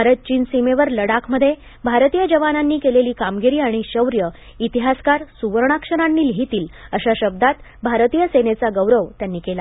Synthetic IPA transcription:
aɾət̪̚t͡ɕiːnsimeʋəɾləɽakʰməd̪ʱːje | bʱaɾt̪ijəd͡ʑəʋananːiːkeleliːkamɡiɾiːaɽ̃iɕəwɾjə | it̪iɦaskaɾsuʋəɾɳ̃akʂəɽ̃anːiːlɦit̪iːləɕaɕəb̚d̪at̪bʱaɾt̪iːjəsenet͡saɡəʋɾəʋt̪janːiːkela

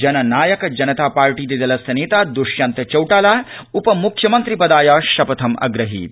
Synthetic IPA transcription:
d͡ʒɐnɐnaːjɐkɐd͡ʒɐnɐt̪aːpaːɾʈiːd̪id̪ɐlɐsɐneːt̪aːd̪uʃjant̪ɐt͡ʃɐwʈaːlaːupɐmukʰjɐmɐnt̪ɾipɐd̪aːjaːʃɐpɐt̪ʰɐmɐ̰ɡɾɐɦḭː

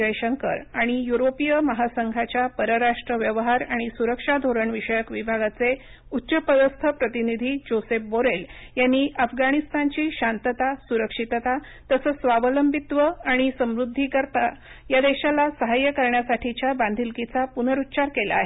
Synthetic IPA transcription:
əjɕəŋkə̰ɾaɽ̃ijuɾopijəməɦasəŋɡʱat͡ɕjapəɾəɾaʂʈɾəʋjəʋɦaɾaɽ̃isuɾəkʂad̪ʱoɾəɳʋiɕəjəkʋibʱaɡat͡se | utːɕəpəd̪əst̪ʰəpɾət̪inid̪ʱiːd͡ʑosep̚boɾeljanːiʔafɡaɽ̃ist̪ʰant͡ɕiːɕant̪ət̪asuɾəkʂit̪ət̪a | t̪əsəːsʋaʋələmbʱit̪ʋəaɽ̃isəmɾud̪ʱːikəɾt̪a | jad̪eɕalasəɦajəkəɾɳjasaʈʰit͡ɕjaband̪ʱilkit͡sapun̤əɾut̪ːt͡ɕaɾkela̰ːɦe

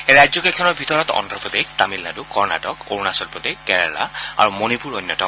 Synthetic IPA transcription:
eɹajzjɔkɛkʰɔnɔɹbʱitɔɹɔtɔ̰ndɹɔpɔd̪eɡ̚t̪amilnadukɔɹna̰tɔko̰ɹnasɔlpɔd̪ekɛɹa̰la̰a̰ɹumonipuɹɔjnːɔtɔk

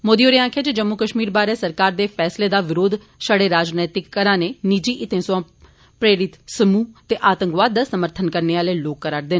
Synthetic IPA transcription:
moːd̪ioːɾeːãːkʰeːd͡ʒed͡ʒəmːukəʃmiːɾbaːɾeːsəɾkaːɾd̪eːpʰɛːsleːd̪aːʋɪɾoːd̪ | ʃəɽeːɾaːd͡ʒnɛːt̪ɪkːəɾãːneːnid͡ʒiːʔɪt̪ẽːsoãː | pɾeːɾɪt̪səmuːt̪eːʔaːt̪əŋkʋaːd̪ːasəməɾt̪ʰənkəɾneːaːleːloːkːəɾaːɽd̪eːn

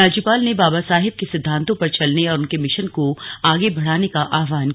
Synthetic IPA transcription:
aːd͡ʒupaːlnebaːbasaːɦɪb̚kesɪd̪ʱːãːnt̪õpɐɾt͡ʃɐlneɔːɾʊnkemɪʃənkoaːɡebɐɽ̤aːnekaʔaːʋaːn

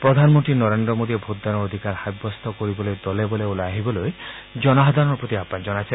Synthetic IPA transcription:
pɾɔd̪ʱanmɔnt̪ɾinɔɾend̪ɾɔmod̪iebʱot̪̚d̪anɔːd̪ʱikaɾhajbːɔst̪ʰɔkoɾibɔlojd̪ɔlebɔleoleaɦibɔloj | d͡ʒɔnaɦɔd̪anɔɾpɾot̪iapãd͡ʒɔnat͡ʃʰe

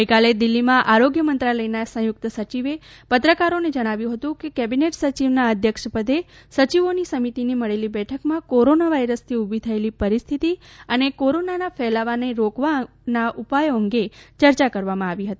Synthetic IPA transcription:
ɡəjkaled̪ɪlːimãʔaɾoɡjəmənt̪ɾaləjnasə̃jʊk̚t̪əsət͡ʃiʋepət̪ɾəkaɾoned͡ʒəɽ̃aʋjũɦət̪ũkekɛbineʈsət͡ʃiʋnaəd̪ʱjəkʃpəd̪esət͡ʃiʋonisəmit̪iniməɭelibɛʈʰəkmãkoɾonaʋaiɾəst̪ʰiubʱit̪ʰəelipəɾist̪ʰit̪iənekoɾonanafɛlaʋaneɾokʋa | naʔupajoəŋɡet͡ʃəɾt͡ʃakəɾʋamãaʋiɦət̪i

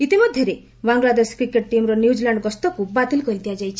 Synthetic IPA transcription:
it̪imɔd̪ʱjɔɾe | baŋɡlad̪eskɾikeʈʈimɾɔnjud͡ʒlaɳɖɡɔst̪ɔkubat̪elkɔɾit̪d̪ijad͡ʒajt͡ʃʰi

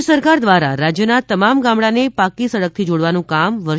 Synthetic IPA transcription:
səɾkaɾd̪ʋaɾa̰ɾad͡ʒjənat̪əmamɡãmɽãnepakisəɽək̚t̪ʰid͡ʒoɽʋanũkamʋəɾ

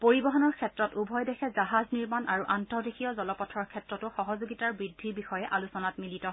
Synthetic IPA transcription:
poɹibɔɦɔnɔɹkʰɛtɹɔtubʱɔjdɛxʰɛzaɦazniɹmanʔaɹuʔantɔdixijɔzɔlɔpɔtʰːɔɹkʰɛtɹɔtʊxɔɦɔzoɡitaɹbɹidʱːibixɔjɛʔalusɔnatmilitɔ

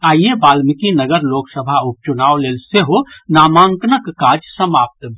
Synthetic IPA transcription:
aːjebaːlmɪkinəɡəɾloːksəbʱaʊp̚t͡ʃʊnaːoleːlseɦonaːmãːŋknəkːaːd͡ʒsəmaːp̚t̪bʱ

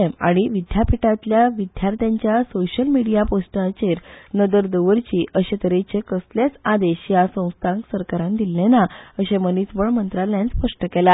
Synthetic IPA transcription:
emaɽ̃iʋid̪ʱjapʰiʈãt̪ljaʋid̪ʱjaɾt̪jaɲt͡ɕjasoɕəlmiɽijaposʈat͡ɕeɾnəd̪əɾd̪əʋəɾt͡ɕiːʔəɕẽt̪əɾet͡ɕekəsljat͡sad̪eɕjasə̃w̃st̪ʰãŋksəɾkaɾãnd̪ilːẽnaəɕemənitʋəɭmənt̪ɾalãnspəʂʈəkɛla

